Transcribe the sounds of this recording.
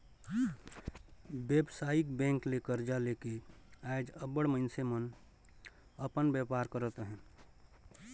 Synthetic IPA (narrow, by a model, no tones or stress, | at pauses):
beːbsaːikbɛ̃ːŋklekəɾd͡ʒaleːkeaɪd͡ʒəbəɽməɪnsemən | əpənbepaːɾkəɾət̪ɦɛ̃ː